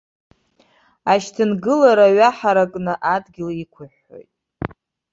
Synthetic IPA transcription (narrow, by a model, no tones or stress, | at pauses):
aʃtʰɨnɡɨlaɾaɥaħaɾakʼnɨʔadɡʲɪlikʷʰʊħːo̰jtʼ